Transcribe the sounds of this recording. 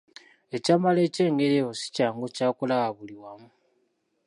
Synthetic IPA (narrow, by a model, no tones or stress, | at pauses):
e̞camale̞ːce̞ːŋɡe̞ɾeosi̥caːŋɡocaːkulaɣaβuliwamu